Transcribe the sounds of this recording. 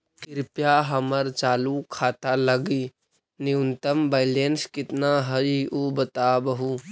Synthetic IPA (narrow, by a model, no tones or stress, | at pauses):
kɪɾpjaɦəməɾt͡ʃaːlukʰaːt̪aləɡi | niunt̪əmbaɪlenskɪt̪naɦəiubət̪aːbəɦu